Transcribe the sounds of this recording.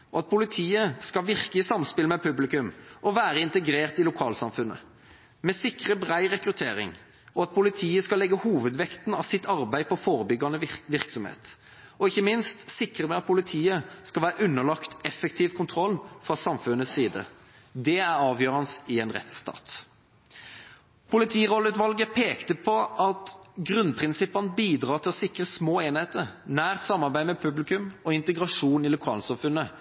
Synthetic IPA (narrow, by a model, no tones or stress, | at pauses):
ɔɑt̪̚pʰʊlɪt̪ʰiːəskɑʋɪʁkəɪsɑmspɪləmɛpʰʉblɪkʉmʔɔʋæːɾəɪnt̪əɡɾeːʁt̪ɪlʊkʰɑːlsɑmfʉnə̰ | mɛsɪkʁəbʁæɪʁɛkɾʉt̪ʰeːɾɪ̰ŋ | ɔɑt̪̚pʰʊlɪt̪ʰiːəskɑlɛɡːəhuːʋəd̪ʋɛkt̪n̩ɑʋsɪt̪ɑʁbæɪpʰɔfoːɾəbʏɡɑnəʋɪʁksɔmhḛːt̪ | ɔɪçːəmɪnst̪sɪkʁəmɛɑt̪̚pʰʊlɪt̪ʰiːəskɑlʋæːɾəʔʉnːəlɑkt̪ɛfəkt̪ʰiːʋkʰʊnt̪ʰʁɔlːfʁɑsɑmfʉnːəssiːd̪ə̰ | d̪ɛæʁɑːʋjøːʁɑnəsɪɛnʁɛ̰t̪st̪ɑ̰ːt̪ | pʰʊlɪt̪ʰiːʁɔləʉːt̪ʋɑlɡəpʰeːkt̪əpʰɔʔɑt̪ɡʁʉnpʰʁɪnsɪpːɑnəbiːd̪ʁɑːʁt̪ʰɪlɔsɪkʁəsmoːeːnheːt̪əʁnæːʁt̪sɑmːɑʁbæɪəmɛpʰʉblɪkʉmɔɪnt̪əɡʁɑʂuːnɪlʊkʰɑ̰ːlsɑmfʉnːə